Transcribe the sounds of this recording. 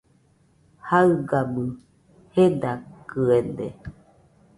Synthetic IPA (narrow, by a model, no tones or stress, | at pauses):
haɯɡabɨ | hed̪akɨed̪e